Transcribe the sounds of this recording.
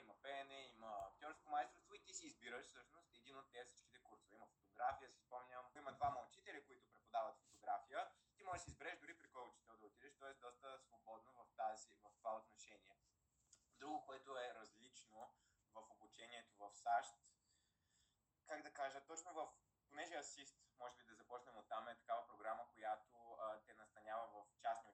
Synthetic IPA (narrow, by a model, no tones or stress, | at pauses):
imɐpɛnɛiməːkt̪ʲɔɾskomaɛst̪ɾst̪voit̪isiːzbiɾəʃfsɤʃnost̪ɛd̪inot̪ːɛɐfsi̥t͡ʃk̟it̪ɛkuɾsovimɐfo̥t̪oɡɾafijəsi̥spɔmnʲəmimɐd̪vamɐlˠt͡ʃit̪ɛlʲikoit̪ʊpɾɛt̪pod̪avət̪fot̪oɡɾafijə | t̪imɔʒɛʃsɛizbɛɾɛʒd̪ʊɾipɾikɔlˠkʊt͡ʃi̥t̪ɛlˠd̪əot̪id̪ɛʃt̪ɔɛsd̪ɔst̪əsvobɔd̪novɐft̪azivɐft̪ovaot̪noʃɛniɛ | d̪ɾuɡʊkoɛt̪ʊɛɾɐzlit͡ʃno | vɐfobut͡ʃɛniɛt̪ovɐfsaʃt̪ | kaɡd̪ɐkaʒət̪ɔt͡ʃnovɐf | ponɛʒɛɐsist̪mɔʒɛbid̪ɐzɐpɔt͡ʃnɛmot̪ːamɛt̪ɐ̥kavəpɾoɡɾaməkojat̪ot̪ɛnɐst̪ɐnʲavəvɐft͡ʃasnio